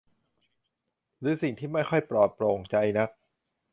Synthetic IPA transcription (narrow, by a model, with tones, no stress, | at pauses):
ɾɯː˦˥si˨˩ŋt̪ʰiː˥˩ma˥˩jxʰɔ˥˩jpɾɔː˨˩t̪̚pɾoː˧ŋt͡ɕa˧jna˦˥k̚